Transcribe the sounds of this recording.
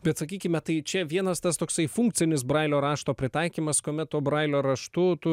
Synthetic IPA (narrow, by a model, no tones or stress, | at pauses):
bʲɛt̪sɐkʲiːkʲɪmʲɛt̪ɐɪt͡ʃʲɛʋʲiɛnɐst̪ɐst̪oːksɐɪfuŋk̚t͡s̪ʲɪnʲɪs̬bɾɑɪlʲoːɾɑːʃt̪oːpʲɾʲɪt̪ɐɪkʲiːmɐskoːmʲɛt̪t̪uɔbɾɐɪlʲoːɾɐʃt̪ʊt̪ʊ